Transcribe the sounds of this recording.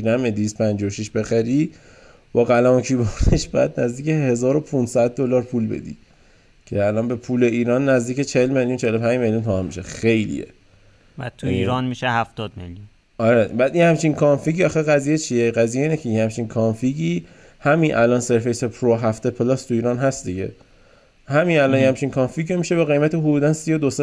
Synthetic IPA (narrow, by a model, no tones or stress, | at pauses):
næmed̪ivist̪pʰænd͡ʒɒwoʃiʃbe̞xæɾiː | b̥ɒːɣælæmocʰibɔneʃbɒjæd̪̚næzd̪iːcʰehezɒːɾo̞pʰunsæd̪̚ːolɒːɾpʰulbḛd̪ḭ | cʰe̞ælɒːnbe̞pʰuːle̞iːɾɒːnːæzd̪iːcet͡ʃʰeelme̞ljunt͡ʃʰeelo̞pʰænd͡ʒme̞ljunt̪ʰohæmiʃexe̞jlḭjḛ | bæ̰d̪̚t̪ʰuiiɾɒnmiʃehæft̪ɒːd̪mḛljun | ɒɾebæd̪inhæmt͡ʃʰinkʰɒnfiɟiɒxeɣæzijet͡ʃʰijeɣæzijeiːnecʰejihæmt͡ʃʰinkʰɒnfiɟiː | hæminʔælɒnse̞ɾfe̞jsepʰɾoɦæft̪epʰelɒst̪ʰuiːɾɒːnɦæst̪̚d̪iɟe̞̰ | hæminælɒnjhæmt͡ʃʰinkʰɒnfiɟomiʃe̞beɣe̞jmæt̪eɦod̪uːd̪ænsijod̪ose